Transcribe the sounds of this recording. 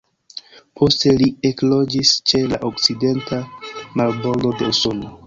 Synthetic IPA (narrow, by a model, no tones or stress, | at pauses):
pʰo̞ste̞lie̞klo̞d͡ʒist͡ʃe̞laʔokt͡side̞ntʰamaɾbo̞ɾdo̞de̞uso̞no